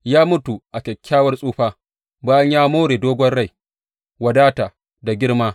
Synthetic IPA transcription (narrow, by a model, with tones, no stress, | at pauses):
jaː˦mʊ˦tu˨ʔa˨kʲɛ˨kʲʰːaː˦wɐ˦rsʼuː˦ɸaː˦ | baː˦jɐ˦ɲjaː˦moː˦ɽeː˨doː˦ɡʷɔ˦nɽa˦˨j | wɐ˨daː˦ta˨ | da˨ɡʲɪ˦ɽmaː˦